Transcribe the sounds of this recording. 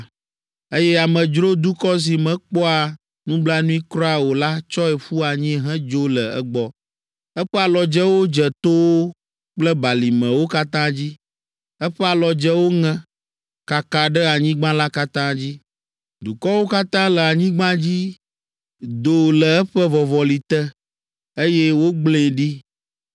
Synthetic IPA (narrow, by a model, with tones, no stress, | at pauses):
e˦jɛ˦a˨mɛ̃˨d͡ʒɾo˦d̪u˦kɔ˦s̬i˨mɛ̃˨k͡pɔ˦a˨ | nũ˦bla˦nũ˦i˦kɾɔ˦a˨wo˨la˦t͡ʃɔ˦ɛ˨ɸu˦a˨ɲĩ˦ɦɛ̃˦d͡ʒo˦lə˨ɛ̰˦ɡ͡bɔ˦ | ɛ˦ɸɛ˦a˨lɔ˨d͡ʒɛ˦wo˦d͡ʒɛ˨t̪o˦wo˦ | k͡plɛ˦ba˨li˨mɛ̃˨wo˦ka˦t̪ã˦d͡ʑi˦ | ɛ˦ɸɛ˦a˨lɔ˨d͡ʒɛ˦wo˦ŋɛ̃˨ | ka˨ka˨ɖɛ˦a˨ɲĩ˦ɡ͡bã˦la˦ka˦t̪ã˦d͡ʑi˦ | d̪u˨kɔ˦wo˦ka˦t̪ã˦lɛ˨a˨ɲĩ˦ɡ͡bã˦d͡ʑi˦ | d̪o˨lə˨ɛ˦ɸɛ˦vɔ˨vɔ˨li˨t̪ɛ˦ | e˦jɛ˦wo˦ɡ͡blẽ˨ɖi˦